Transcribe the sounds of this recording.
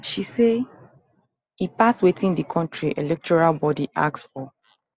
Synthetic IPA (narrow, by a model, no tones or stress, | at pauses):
ʃise | ipaswetʰĩndikʰɔ̃ntʰɹiʔelɛk̚tʰɔɹalbɔdiʔa̰ksfɔ